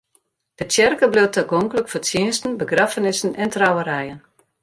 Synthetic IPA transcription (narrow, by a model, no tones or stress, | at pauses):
d̥ətjɛrkəblɪwtəɡɔŋkələkfətjɪənstn̩bəɡrafənɪsən̩ɛntrawəɾɛjən